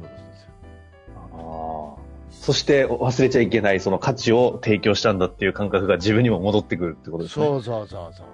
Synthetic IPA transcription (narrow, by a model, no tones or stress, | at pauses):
a | so̞ɕi̥t̪e̞βasɨɾe̞t͡ɕaike̞naiso̞no̞kʰat͡ɕio̞t̪e̞ːkʲo̞ːɕi̥t̪ãnd̪at̪ːe̞iɯ̟kãŋkakɯ̟ɡad͡ʑibɯ̟ɲ̟ːimo̞mo̞d̪o̞t̪ːe̞kɯ̟ɾɯ̟t̪ːe̞iɯkot̪oesɨne